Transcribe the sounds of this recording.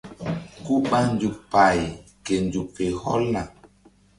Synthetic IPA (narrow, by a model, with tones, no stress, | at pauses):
ku˦ɓa˦n˦d͡ʒu˨pa˨jke˨n˨d͡ʒu˨pe˨hɔ̰˦la˨